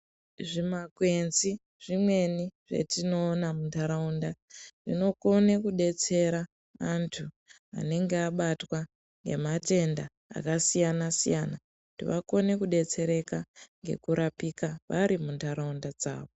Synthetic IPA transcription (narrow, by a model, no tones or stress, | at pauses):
ʐimakwe̞nzi | ʐ̥imwe̞niʐe̞̰tino̞ːnamuntaɾaundaʐino̞ko̞ne̞kuɗe̞t͡se̞ɾa | antʰu | a̰ne̞ŋɡeaɓatwa | ŋɡe̞̰mate̞nda | a̰kasijanasijana | tiʋako̞ne̞kuɗe̞t͡se̞ɾe̞kaŋɡe̞̰kuɾapikaʋaɾimuntaɾaundad͡za̰ːʋo